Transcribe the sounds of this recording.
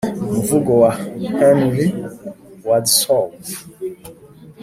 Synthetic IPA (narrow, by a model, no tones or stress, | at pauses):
muvuɡɔwahɛnɾi | wadsɔl